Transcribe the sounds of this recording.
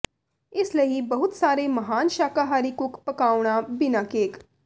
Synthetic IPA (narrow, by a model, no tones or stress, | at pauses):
ɪsləɦibɐɦut̪saːɾeməɦaːnʃaːkaɦaːɾikukpəkaːʋɳ̃abinakeːk